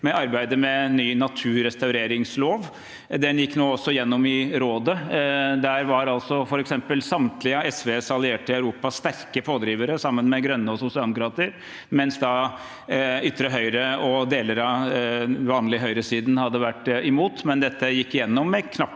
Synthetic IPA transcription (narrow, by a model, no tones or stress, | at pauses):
mɛɑɾbæɪd̪əmɛnyːnɑt̪ʰʉːɾɛst̪ɑʉɾeːɾɪŋsloːʋ | d̪ɛnjɪkːnoːɔsːɔɪjɛnːɔmɪɾoːd̪əd̪æɾʋɑɾɑlsɔfɔɾɛksɛmpəlsɑmt̪lɪəɛsʋesɑlɪeːʈəɪɑʉɾuːpɑst̪æɾkəpʰoːd̪ɾiːʋəɾəsɑmːənmɛɡɾœnːəɔsʊsɪɑləmʊkɾɑːt̪əɾ | mɛnsd̪ɑ | ʏt̪ːɾəɦœʏɾəɔd̪eːləɾɑ | ʋɑːnlɪɦœʏɾəsiːd̪n̩hɑd̪ːəʋæʈːɪmuːt̪mɛnd̪ɛt̪ːəjɪkːɪjɛnːɔmːɛkʰnɑpː